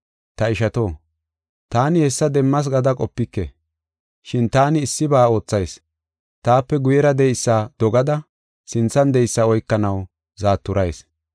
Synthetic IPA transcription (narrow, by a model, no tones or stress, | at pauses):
t̪ɐɪʃɐt̪o̞ː | t̪aːnɪhɛsːɐd̪ɛmːɐs̬ɡɐd̪ɐkʼɔpːɪkːɛ̰ | ʃɪnt̪aːnɪːsːɪbaːo̞ːt͡sːɐjs | t̪aːpːɛɡʊjɛɾɐd̪ɛjsːaːd̪̥ɔɡɐd̪ɐ | sɪnt͡sːɐnd̪ɛjsːɐɔjkːɐnɐw | zaːt̪ːʊɾɐjs